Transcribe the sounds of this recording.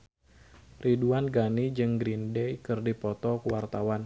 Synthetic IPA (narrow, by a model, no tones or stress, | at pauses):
riduanɡanid͡ʒɨŋɡɾindɛkɨrdipɔt̪ɔkuwart̪awan